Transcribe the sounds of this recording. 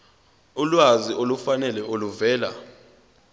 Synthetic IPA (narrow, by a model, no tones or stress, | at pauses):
ulwaziʔolufanɛlɛʔoluvɛːla̰